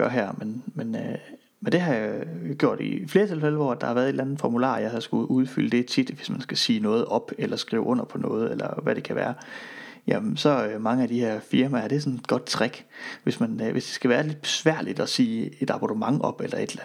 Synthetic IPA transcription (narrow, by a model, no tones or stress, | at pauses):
ɡ̥ɶɐɦæɐ̰menmenø | mend̥e̝ɦɑ̈jɡ̥jo̝ɐ̰d̥ḭfle̝ːɐt͡sʰe̝lfeləʋɒ̰ːæd̥ɑ̈hɑ̈ʋæɐðˠedlænn̩ˠfɒmulɑ̰̈ːjɑ̈ɪhɑsɡ̥uʔuð̞ˠfyləd̥e̝t͡sʰid̥ʋe̝smænsɡ̥æsiːnɔ̽ːð̞̩ˠɒ̽b̥elɐsɡ̥ʁḭʊɔ̽n̰ɐpʰɒ̽nɔ̰̽ːð̞̩ˠelɐ̰ʋæɾ̥e̝kʰæʋæːɐjæsɒ̽ømɑ̈ŋəæd̥ihæɐ̰fiɐmææɐɾ̥e̝s̬ɒ̽ne̝d̥̚ɡ̥ɒ̽d̥̚t͡sʰʁaɡ̥ʋe̝smænʋʔe̝sd̥e̝̥sɡ̥æʋæːɐle̝d̥̚b̥e̝sʋæɐ̰lid̥ɒ̽siːe̝d̥ɑ̈b̥ɒd̥əmɑ̈ŋɒ̽b̥elɐe̝d̥læn̩ˠ